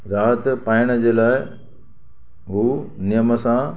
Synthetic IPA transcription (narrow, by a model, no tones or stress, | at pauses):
ɾaːɦət̪paːɪɽ̃əd͡ʑeːlaːɪ | ɦuːnɪjəməsã